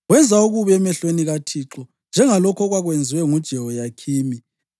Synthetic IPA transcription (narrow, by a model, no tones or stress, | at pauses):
ɣwɛnd͡zʱauɣuβɛmɛɬweniɣatʰiǁɔ | nd͡ʒʱɛŋalɔkʰɔɣwaɣwend͡zʱiwɛŋud̥ʒ̥ʱɛwɔjakʰiːmi